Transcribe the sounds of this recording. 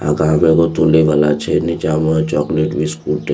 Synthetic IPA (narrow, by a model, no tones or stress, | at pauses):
a̰kamẽkot̪uleʋalat͡ʃʰenit͡ʃamat͡ʃɔːkleʈbʱiskuːʈe